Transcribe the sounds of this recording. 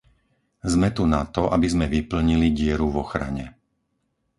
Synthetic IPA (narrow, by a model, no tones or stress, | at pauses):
zmɛt̪unat̪ɔʔabizmɛʋipl̩ɲiliɟɪɛɾuvɔxɾa̰ɲɛ